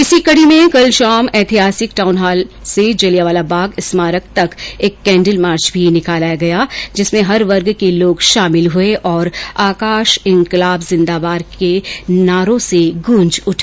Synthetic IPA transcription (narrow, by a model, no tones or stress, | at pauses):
ɪsikɐɽimẽkɐlʃaːmɛːt̪ʰiɦaːsɪkʈaːʊnɦaːlsed͡ʒɐlijaʋaːlabaːɡɪsmaːɾək̚t̪ɐkeːkːɛ̃ːɳɖəlmaːɾt͡ʃbʱinɪkaːlaɡɐjaːd͡ʒɪsmẽɦɐɾʋɐɾɡkeloːɡʃaːmɪlɦʊeʔɔːɾaːkaːʃɪ̃ŋkɪlaːbzɪ̃nd̪aːbaːɾkenaːɾõseɡʊ̃ɲd͡ʒʊʈʰː